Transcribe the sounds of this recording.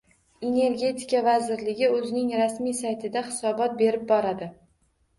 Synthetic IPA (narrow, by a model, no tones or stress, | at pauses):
e̞ne̞ɾɡʲe̞t̪ʰɪ̥kʲavazɪɾlɪɡʲɪɵzɪnɪŋɾasmijsajt̪ʰɪd̪aχɪsɒbɒt̪̚be̞ɾɪp̚bɒɾad̪ɪ